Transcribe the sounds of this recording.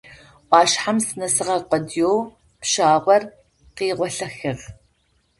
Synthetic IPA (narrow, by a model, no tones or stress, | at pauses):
ʔɑːʃħamsɨnɐsɨʁɐqʷədjow | pʃaːʁʷɔr | qiːʁʷɔɬɐxɨʁ